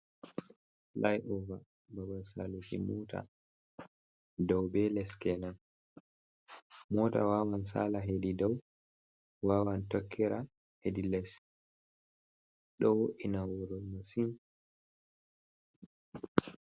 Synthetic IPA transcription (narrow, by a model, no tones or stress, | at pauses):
lajʔuva | babasa̰lukḭmuta̰ | dɔwbɛlɛskɛnan | mɔːta̰waːwansa̰laɦedidɔw | waːwantɔkʰːɛɾa | hedilɛs | ɗɔwoʔinawɔɾɔmasin